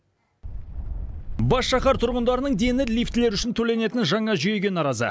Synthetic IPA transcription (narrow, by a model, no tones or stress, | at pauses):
bɑsʃɑχɑɾt̪ʰʊɾʁənd̪ɑɾənəɴd̪e̞nɪlijft̪ɪle̞ɾʏʃɪnt̪ʰɵle̞ne̞t̪ɪnʒɑɴɑʒʏjeɡʲe̞nɑɾɑzə̰